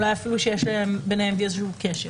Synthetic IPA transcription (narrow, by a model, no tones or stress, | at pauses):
lajafiluʃejeʃleembenehemviezʃukeʃe